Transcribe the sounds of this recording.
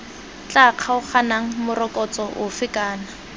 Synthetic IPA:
t͡ɬʼaq͡χʰaʊχanaŋ̩mʊrɔkʼɔt͡sɔʔʊfɪkʼaːna

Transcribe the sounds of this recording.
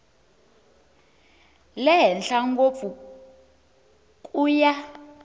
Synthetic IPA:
lɛɦɛnɬaŋɡofu | kʼuja

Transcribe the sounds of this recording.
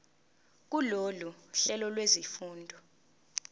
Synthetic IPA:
k̬uloluɬɛlɔlwezifuːndʱɔ

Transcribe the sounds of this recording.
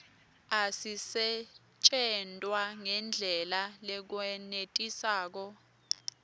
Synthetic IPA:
asisɛ | t͡ʃʼɛntʼwaŋɛnd͡ɮʱɛlalɛk̬wɛnetʼisaːk̬ɔ

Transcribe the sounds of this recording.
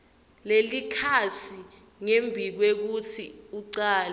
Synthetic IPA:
lelikʰatʰi | ŋembʱik̬wek̬utʰiuǀaːlɛ

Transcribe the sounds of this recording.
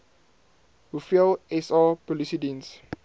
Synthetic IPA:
hufilɛsapɔlisidĩns

